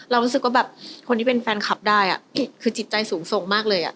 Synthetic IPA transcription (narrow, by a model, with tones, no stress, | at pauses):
ɾa˧wɾu˦˥ɯ˨˩k̚waː˥˩bɛː˨˩p̚kʰo˧nt̪ʰiː˥˩pe˧nfɛː˧nkʰa˦˥p̚daː˥˩jʔa̰˨˩ʔkʰɯː˧t͡ɕi˨˩t̪̚t͡ɕa˧jsuː˩˦ŋso˨˩˦ŋmaː˥˩k̚lɤː˧jʔa̰˨˩ʔ